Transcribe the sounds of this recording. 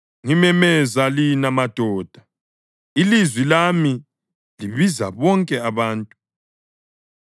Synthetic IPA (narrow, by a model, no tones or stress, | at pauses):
ŋimɛmɛzalinamad̥ʱɔːd̥ʱa | ilizwilami | liβiza̰βɔŋkʼɛaβaːntʼu